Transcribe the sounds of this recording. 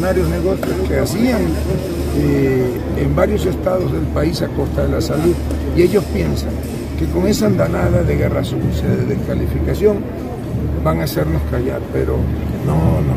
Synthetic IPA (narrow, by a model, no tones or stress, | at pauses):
naɾjo̞zne̞ɣo̞sjo̞ske̞asiaŋ | e | embaɾjo̞se̞st̪aðo̞zðe̞lpaisako̞st̪aðe̞lasaluð | ie̞ʝo̞spje̞nsaŋ | ke̞ko̞ŋe̞s̬and̪anaðaðe̞ɣe̞rasufisjeðeðeskalifikasjo̞ŋ | baŋase̞ɾno̞skaʝaɾpe̞̰ɾonono